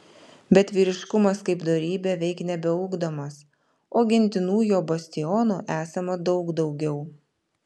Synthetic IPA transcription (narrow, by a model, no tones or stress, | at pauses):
bʲɛt̪ʲʋʲiːɾʲɪʃkʊmɐskɐɪpd̪oːɾʲiːbʲeːʋʲɛɪknʲɛbʲɛʊɡd̪oːmɐs | oːɡʲɪnʲt̪ʲɪnuːjoːbɐsʲt̪ʲɪjɔnuːʔæːsɐmɐd̪ɒʊɡd̪ɒʊɡʲɛʊ